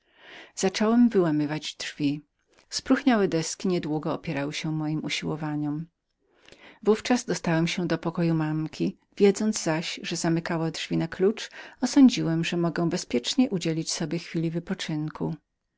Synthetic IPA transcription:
z̥at͡ʂɔwɛmvɘwamɘvad͡ʑdʐvʲi | spɾuxɲawɛd̪ɛskʲiɲɛd̪wuɡɔːpʲjɛɾawɘɕɛmɔjimuɕiwɔvaɲɔm | vuft͡ʂazd̪ɔst̪awɛmɕɛd̪ɔpɔkɔjumamkʲʰi | vʲjɛd̪zɔnd̪zzaɕʐɛzamɘkawadʐvʲinaklut͡ʂɔsɔɲd͡ʑiwɛmʐɛmɔɡɛw̃bɛspʲjɛt͡ʂɲɛʔud͡ʑelʲit͡ɕsɔbʲjɛxfʲilʲivɘpɔt͡ʂɘŋkʰu

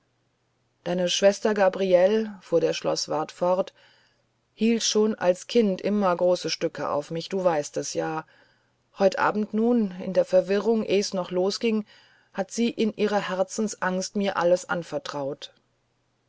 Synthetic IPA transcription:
d̥aɪnəʃv̥ɛstɐɡabʁiɛlfuːɐdeːɐʃlɔ̰sv̥aɐtfɔʁt | hiːltʃoːnʔa̰lskʰɪntʔɪmɐɡʁoːsəʃtʏkə̰ʔa̰ʊfmɪçd̥uːvaɪstɛsjaː | hɔʏtʔa̰ːbm̩tnuːnɪ̰ndeːɐfɛɐvɪʁʊŋʔeːəsnɔχloːsɡ̥ɪŋ | hatz̥iːʔɪnʔiːʁ̞ɐhɛɐt͡sn̩sʔaŋstmiːɐʔa̰ləsʔa̰nfɛɐtʁ̥aʊt

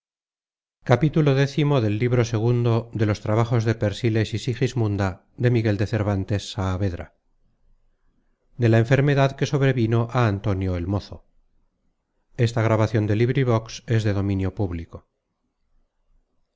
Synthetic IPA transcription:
kapit̪ulo̞ðe̞θimo̞ðe̞lːiβɾo̞se̞ɣ̞und̪o̞ðe̞lo̞st̪ɾaβaχo̞zðe̞pe̞ɾsile̞sisixizmũnd̪a | d̪e̞miɣe̞ld̪e̞θe̞ɾβant̪e̞sːaːβe̞ðɾa̰ | d̪e̞laeɱfe̞ɾme̞ðaðke̞so̞βɾe̞βino̞ʔaːnt̪o̞njo̞elmo̞θo̞̰ | e̞st̪aɣɾaβaθjo̞nd̪e̞liβɾiβo̞kse̞zðe̞ðomĩnjo̞puβliko̞

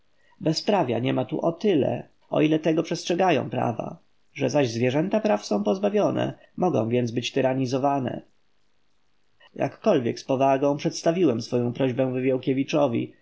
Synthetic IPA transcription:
bɛspɾavʲja̰ɲɛmat̪ṵʔɔt̪ɘlɛ̰ | ɔ̰ilɛt̪ɛɡɔpʂɛstʂɛɡajɔ̰̃w̃pɾa̰va̰ | ʐɛzaʑzvʲjɛʐɛnt̪apɾafsɔ̃w̃pɔzbavʲjɔnɛ̰ | mɔɡɔ̰̃w̃vʲɛnd̪zbɘt͡ɕt̪ɘɾaɲizɔvanɛ̰ | ja̰kːɔlvʲjɛkspɔvaɡɔ̃w̃pʂɛt̪st̪avʲiwɛmsfɔjɔ̃w̃pɾɔʑbɛ̃w̃vɘvʲjɔwkʲɛvʲit͡ʂɔvʲḭ

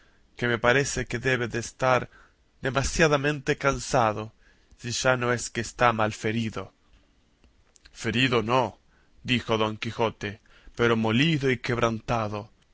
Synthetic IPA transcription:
ke̞me̞paɾe̞se̞keðe̞βe̞ðeːst̪aɾ | ðe̞masjaðamẽ̞nt̪e̞kansaðo | siʒano̞eskeːst̪amalfe̞ɾiðo̞ | fe̞ɾiðo̞no | d̪ixo̞ðo̞ŋkixo̞t̪e | peɾo̞mo̞liðoike̞βɾʔant̪aðo

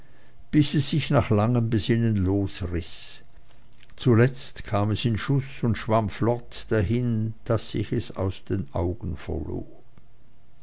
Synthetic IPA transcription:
b̥ɪsɛsːɪçnaːχlaŋəmbəzɪnənloːsʁɪs | t͡sulɛt͡stkʰaːmɛsɪnʃʊsʊntʃv̥amflɔtd̥aɦɪnd̥asɪ̰çɛsa̰ʊsd̥eːnʔa̰ʊɡən̩fɛ̰ɐlo̰ː

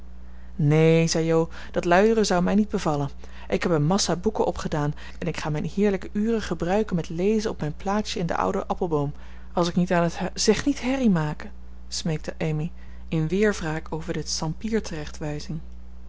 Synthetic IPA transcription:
nezɛjow | d̥ɑtlœɥdərəzɑwmɛjnid̚bəvɑlən | ʔɪkɦɛpənmɑsaːbukəʔɔpχədaːn | ɛnɪkχaːmɛjnhɪːɹləkəʔyːrəχəbrœɥkənmɛtlejzənɔpmɛjnplaːtsəɪndə̰ʔʌ̰wdəʔɑpəlˠbowm | ɑlˠsɪknitaːnətz̥ɛχnitɦɛrimaːkə | smejk̚təʔejmi | ɪnʋɪːɹvraːkowvəɹdəsɑmpiːɹtərɛχtʋɛjzɪŋ

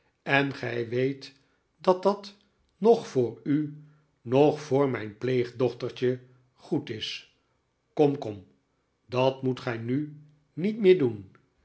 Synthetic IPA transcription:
ɛnχɛjʋejt | dɑt̚dɑt | nɔχfʊːɹy | nɔχfʊːɹmɛjnplejχdɔχtəɹt͡ʃə | χutɪs | kɔmkɔm | dɑtmutχɛjny | nitmɪːɹdun

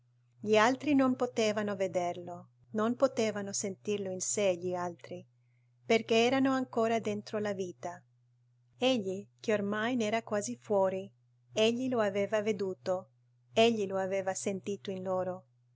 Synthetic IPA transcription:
ʎialt̪ɾinompot̪eːvanoved̪erlo | nompot̪eːvanosent̪irloinseʎialt̪ɾi | perk̟eɛːɾanoaŋkoːɾad̪ent̪ɾolaviːt̪a | eʎːik̟eormajnɛːɾakwaːzifwɔːɾi | eʎːiloaveːvaved̪uːt̪o | eʎːiloaveːvasent̪iːt̪oinloːɾo

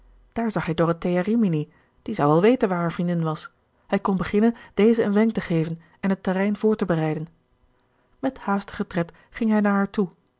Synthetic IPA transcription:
d̥aːɹzɑχɦɛjdoratejarimini | d̥izɑwʋɛlˠʋejtənʋaːɹɦaːɹvrindɪnʋɑs | hɛjkɔnbəχɪnənd̥ejzəənʋɛŋktəχejvən | ɛnɦətərɛjnv̥ʊːɹtəbərɛjdən | mɛthaːstəχətrɛt | χɪŋɦɛjnaːɹɦaːɹtu

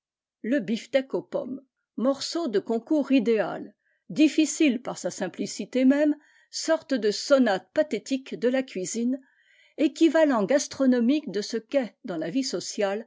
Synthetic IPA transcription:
ləbift̪ɛkopɔ̰mː | ɔʁsod̪əkɔ̃kuʁid̪ea̰l | d̪ifisilpaʁsasɛ̃plisit̪emɛm | sɔʁt̪əd̪əsɔnat̪̚pat̪et̪ikd̪əlakʲɥizin | ekʲivalɑ̃ɡast̪χɔnɔmikd̪əsəkɛd̪ɑ̃lavisɔsjal

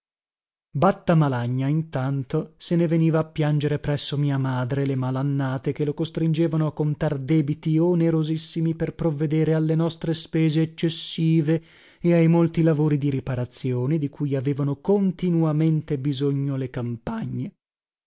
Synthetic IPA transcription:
bat̪ːamalaɲːaint̪ant̪oseneveniːvaːpːjand͡ʒeɾepɾɛsːomiːamaːd̪ɾelemalanːaːt̪ek̟elokost̪ɾind͡ʒeːvanoakːont̪ard̪ɛːbit̪ioneɾozisːimiperpɾovːed̪eːɾealːenɔst̪ɾespeːzeːt͡ʃːesːiːve | eajmolt̪ilavoːɾid̪iɾipaɾat̪sːjoːned̪ikuːjaveːvanokont̪inuwament̪ebizoɲːolekampaɲːe

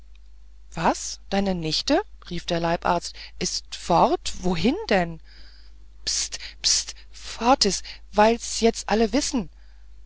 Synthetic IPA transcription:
v̥asd̥aɪnənɪçtəʁiːfd̥eːɐlaɪpʔa̰ɐt͡stʔɪstfɔʁtv̥oːɦɪndɛn | pstpst | fɔɐtɪstv̥aɪlsjɛt͡stʔaləvɪsn̩

